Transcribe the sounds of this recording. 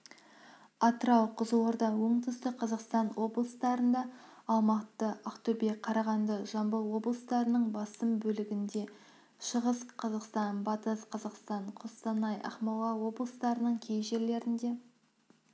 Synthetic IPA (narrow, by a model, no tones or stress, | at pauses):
ɑt̪əɾɑwqʰəzəwoɾd̪ɑwoɴt̪ʰəst̪ɪqʰɑzɑqst̪ɑnwo̞blˠəst̪ɑɾənd̪ɑːlˠmɑt̪ːəʔɑqt̪ʊbeqʰɑɾɑʁɑnd̪əʒɑmbəlˠwo̞blˠəst̪ɑɾənəɴbɑsəmbɵlɪɡʲɪnd̪e̞ | ʃəʁəsqʰɑzɑqst̪ɑnbɑt̪əsqʰɑzɑqst̪ɑɴqʰost̪ɑnɑjʔɑ̰χmɑw̪ˠɑwo̞blˠəst̪ɑɾənəɴkʲʰe̞jʒe̞ɾle̞ɾɪnd̪e̞